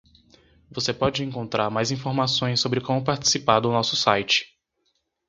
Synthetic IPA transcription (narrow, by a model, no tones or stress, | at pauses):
vosepɔd͡ʒɪẽŋkõnt̪ɾaɾmajzĩfoɾmasõj̃sːobɾɪkõmʊpaɾt͡ʃi̥sipaɾd̪ʊnɔsʊsajt͡ʃɪ̥